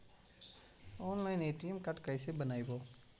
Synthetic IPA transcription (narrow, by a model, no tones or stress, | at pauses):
ɔːnlaːɪneːʈiːmkɐʈkəɪsebənaːiboː